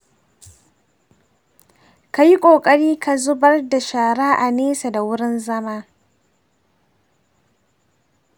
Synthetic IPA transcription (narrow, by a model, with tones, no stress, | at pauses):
ka˨ji˦kʷʼoː˨kʼɐ˦ɽiː˦ka˨zʊ˦bɐ˦rda˨ʃaː˨ɽa˦ʔa˨neː˦sa˨da˨wʊ˦ɽɪ˦nzɐ˦maː˦